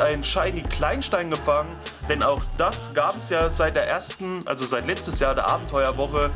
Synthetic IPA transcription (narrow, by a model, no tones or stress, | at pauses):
ʔaɪnnʃaɪnkʰl̥aɪnʃtaɪnɡəfaŋənd̥ɛnaʊxd̥asɡ̥aːpɛsjaːzaɪt̚d̥eːɐʔeːɐstn̩ʔa̰lzozaɪtlɛt͡stəsjaːɐdeːɐʔaːbm̩tʰɔʏɐvɔχə